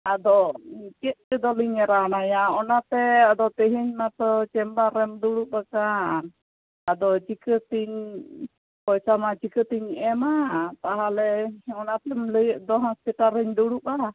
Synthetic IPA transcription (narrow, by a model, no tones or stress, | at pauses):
ad̪ɔt͡ʃit̪̚kid̪ɔliɲɛɾanajaɔnat̪ɛad̪ɔt̪əɦiɲmat̪ɔt͡ʃɛmbaɾɛmd̪uɽuʔakan | ad̪ɔt͡ʃikət̪iɲ | pɔjsamat͡ʃikət̪iɲɛmat̪aɦalɛɔnat̪ɛmləjəʔd̪ɔɦɔ̃spiʈaɾəɲd̪uɽuʔaa